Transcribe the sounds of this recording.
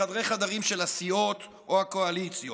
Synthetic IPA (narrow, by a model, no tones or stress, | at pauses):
ad̪ʁejχad̪aʁimʃelasiot̪ | ʔohakoalit͡sjo